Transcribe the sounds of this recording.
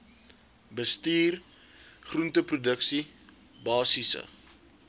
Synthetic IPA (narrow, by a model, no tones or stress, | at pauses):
bəstiːr | χruntəprudəksi | bɑːsisə̰